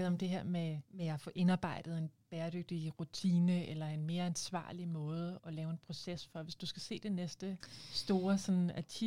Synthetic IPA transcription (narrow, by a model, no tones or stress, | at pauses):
ð̩ˠɒ̽md̥e̝ɦeɐ̰memeæfɔ̽ːʔe̝nɑ̈ːb̥ɑ̈ɪ̰d̥ð̞̩ˠe̝nb̥eːɐd̥øɡ̥̚d̥iʁut͡sʰiːnəelɐe̝nme̝ːɐænsʋɑ̰̈ːlimɔ̽ːð̞ˠəʔɒ̽lɛːʊe̝npʰʁo̝sesfɒ̽ʋe̝sd̥usɡ̥æse̝̰ːd̥e̝nesd̥əsd̥o̝ːɐsɒ̽næt͡sʰi